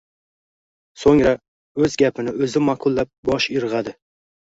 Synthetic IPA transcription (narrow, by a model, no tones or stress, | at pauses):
soŋɾa | ɵzɡʲapʰɪnɪɵzɪmaqʰʊlˠːap̚bɒʃɪɾʁɑd̪ɪ